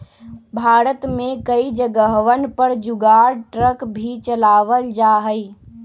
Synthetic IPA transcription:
bʱaːɾət̪mẽkəid͡ʒəɡəɦʋənpəɾd͡ʒʊɡaːɾʈɾəkbʱit͡ʃəlaːʋəld͡ʒaːɦəi

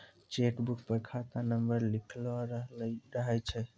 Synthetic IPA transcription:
t͡ʃeʈbukpəɾkʰat̪anəmbəɾlikʰlaɾəɦɾəɦɛt͡ʃʰɛ

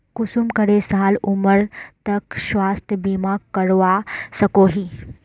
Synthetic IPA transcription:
kʊsumkəɽesaːluməɾt̪ɐkʃwaːst̪ʰəbimakːəɽʋasɐkoːɦi

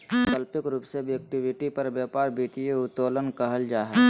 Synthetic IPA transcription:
kəlpɪkɾuːpsebʱiek̚ʈɪbɪʈipɐɾbjaːpaːɾbiːt̪ijeʊt̪oːlənkəɦəld͡ʒaːɦə

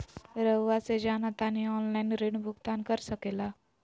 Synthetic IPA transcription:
ɾəwːat͡sed͡ʑanat̪aniɔnlajnɾiɳbʱuɡt̪ankəɾsəkela

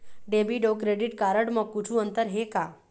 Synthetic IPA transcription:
ɖebiɖokɾeɖiʈkaɾəɽməkːut͡ʃʰũənt̪əɾɦeka

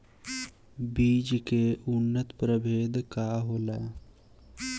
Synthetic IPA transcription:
biːd͡ʒkeʔʊnːət̪pɾəbʱeːd̪kaɦoːlaː

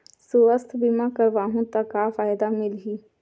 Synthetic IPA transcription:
sʊəst̪ʰbɪmãːkəɾʋaːɦũːt̪ãkaːfaːɪd̪aːmɪlɦiː

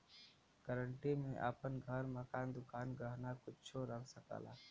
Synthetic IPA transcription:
kəɾəɳʈimẽʔa̰pənɡʱəɾməkaːnd̪ʊkaːnɡəɦnakʊt͡ʃʰoɾəksəka̰ːla̰ː

